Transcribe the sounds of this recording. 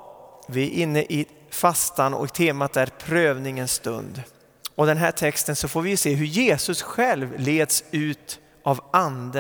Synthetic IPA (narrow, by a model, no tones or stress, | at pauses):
vɪæɾʔɪnːəʔɪ | fast̪anɔ̰kt̪ʰeːmat̪æɾpʰɾøːvnɪŋənst̪ɵ̰nd̪ | ɔd̪ɛnɦæːʈʰɛkst̪ənsɔfoːɾvɪjɵseːɦɵjeːsɵsɧɛlvleːd̪sʉ̟ːt̪ | ʔavʔand̪ə